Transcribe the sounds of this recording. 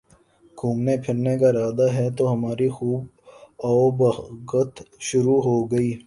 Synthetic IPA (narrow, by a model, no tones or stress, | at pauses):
kʰuːmnepʰɪɾnekaɾaːd̪aɦɛt̪oɦɐmaːɾixuːb | aːbɐɡət̪ʃʊɾuːɦoɡɐiː